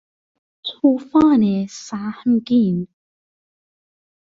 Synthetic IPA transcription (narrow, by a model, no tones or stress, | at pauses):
tʰuːfaːneːsaːhəmkin